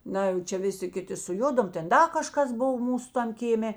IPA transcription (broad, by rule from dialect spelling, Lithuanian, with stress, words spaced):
ˈnɐ jɛʊ ˈt͡ʃʲɛ ˈʋʲɪˌsʲɪ ˈkʲɪˌtʲɪ sʊˈjʊdoːm ˈtʲɛn ˈdɐ kɐˈʃkɐs ˈboːw ˈmuːsʊ ˈtɐm kʲeːˈmʲeː